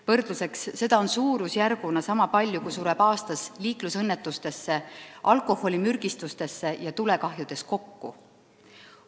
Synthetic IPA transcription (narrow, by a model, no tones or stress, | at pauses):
vɤrd̪̥luse̞ksːe̞d̪̥ɑo̞nsuːɾusjærɡ̥unɑsɑmɑpɑlʲjukusuɾeb̥ɑːst̪ɑsliːklusɤnːet̪ːˑust̪e̞sːe̞ʔɑlko̞ho̞lʲimyrɡ̥ist̪ust̪e̞sːe̞jɑt̪ule̞kɑɦjud̪̥e̞sko̞kːu